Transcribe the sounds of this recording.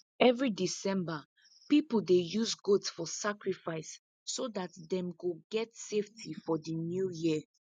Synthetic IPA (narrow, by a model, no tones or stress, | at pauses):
ɛvɹidisɛ̃mba | pipol̩dejuzɡotsfɔsakɹifaɪsː | odatdɛ̃mkoɡɛtseftʰifɔdinjuji